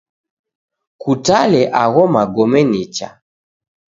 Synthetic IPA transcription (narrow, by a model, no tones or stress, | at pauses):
kutalɛʔaɣɔmaɡɔmɛnit͡ʃa̰